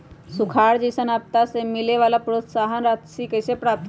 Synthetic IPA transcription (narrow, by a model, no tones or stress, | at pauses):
sukʰaːɾd͡ʒisənaːp̚t̪asemɪleʋaːlapɾot̪saːɦənɾaːt̪sikəɪsepɾaːp̚t̪ʰ